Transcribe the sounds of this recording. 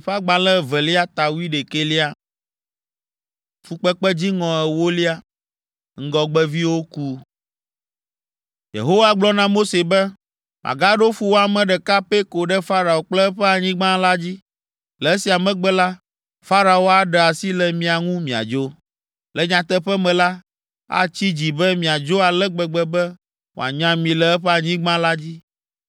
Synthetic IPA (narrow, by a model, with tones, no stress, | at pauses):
ɸa˦ɡ͡bã˨lɛ˦vɛ˨li˦a˦t̪a˨wu˦i˦ɖe˨ke˦li˦a˦ | fu˨k͡pɛ˦k͡pɛ˦d͡ʑi˦ŋɔ̃˨ɛ˨wo˦li˦a˦ | ŋ̩˦ɡɔ˨ɡ͡bɛ˦vi˦wo˦ku˦ | jḛ˨ɦo˦wa˦ɡ͡blɔ˦nã˦mo˦se˨bɛ˦ | mʔã̰˨ɡa˦ɖo˦fu˦wo˦a˨mɛ̃˨ɖɛ˨ka˦pe˦ko˨ɖɛ˦fa˦ɾa˨o˨k͡plɛ˦ɸɛ˦a˨ɲĩ˦ɡ͡bã˦la˦d͡ʑi˦ | lɛ˨˦si˨a˨mɛ̃˦ɡ͡bɛ˦la˦ | fa˦ɾa˨wo˦a˨ɖɛ˨a˨si˦lɛ˨mĩ˨a˨ŋũ˦mĩ˨a̰˨d͡ʒo˦ | lɛ˨ɲã˨t̪ɛ˦ɸɛ˦mɛ̃˨la˦ | a̰˦t͡ɕi˦d͡ʑi˨bɛ˦mĩ˨a˨d͡ʒo˦a˨lɛ˦ɡ͡bɛ˨ɡ͡bɛ˦bɛ˦ | wo̰˨a̰˨ɲã˦mĩ˨lɛ˨ɛ˦ɸɛ˦a˨ɲĩ˦ɡ͡bã˦la˦d͡ʑi˦